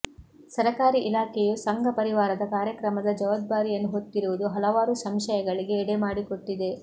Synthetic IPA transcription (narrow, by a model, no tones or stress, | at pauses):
sɐɾɐkaːɾiʔilaːkɛjusɐŋɡʱɐpɐɾiʋaːɾɐd̪ɐkaːɾjɐkɾɐmɐd̪ɐd͡ʒɐʋɐd̪̚baːɾijɐnːuɦot̪ːiɾuʋud̪uɦɐlɐʋaːɾusɐmʃɐjɐɡɐɭiɡe̞ːɽemaːɽiko̞ʈːid̪e̞